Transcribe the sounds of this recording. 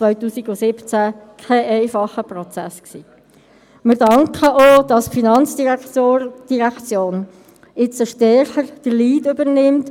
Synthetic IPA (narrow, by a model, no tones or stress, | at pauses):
t͡sʋœʏtuːsiɡʊsɪpt͡sækʰɛʔɛɪfɑχəprɔt͡sæ̰sksiː | mɪɾdɑŋkʰəʔod̥ɑsfinɑnt͡sd̥iod̥iʁækt͡sjoːn | ɪt͡səʃtɛɾχəɾd̥əɾliːdøbəɾnɪmt